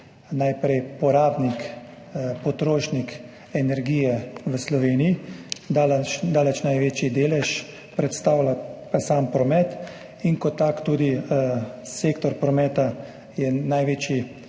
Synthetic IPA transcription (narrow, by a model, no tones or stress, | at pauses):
najpɾɛjpɔɾaːbnik | pɔt̪ɾoːʃnik | ɛnɛɾɡiːjɛʋəslɔʋeːnijid̪alt͡ʃd̪aːlɛt͡ʃnajʋeːt͡ʃid̪eːlɛʃ | pɾɛt̪st̪aːwlapasaːmpɾɔmɛt̪ | iŋkɔt̪ːakt̪uːd̪i | seːkt̪ɔɾpɾɔmɛːt̪a | jɛnajʋeːt͡ʃji